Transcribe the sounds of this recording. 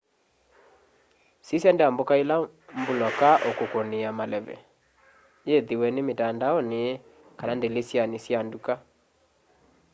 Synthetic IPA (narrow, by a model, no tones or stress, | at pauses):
sisjandeambokaelambulɔkaʔokokoneamalɛβɛ̰ | jeðiwɛnemetandaɔne | kanandelesjanesjanduka